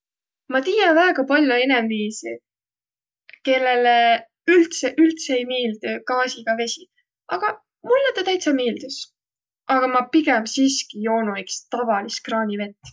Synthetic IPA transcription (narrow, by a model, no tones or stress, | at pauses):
mɑt̪iːjɑvæːɡɑpɑlʲjoe̞nemviːsi | ke̞lːe̞le | ylt̪seʔylt̪seejmiːld̪̥ukɑːsiɡ̥ɑve̞sʲi | ʔɑɡ̥ɑ | mulːet̪ːet̪æjt̪sɑmiːld̪̥us | ʔɑɡ̥ɑmɑpiɡɛmsiːskijo̞ːnuikst̪ɑvɑliskrɑːnʲive̞t̪ːˑ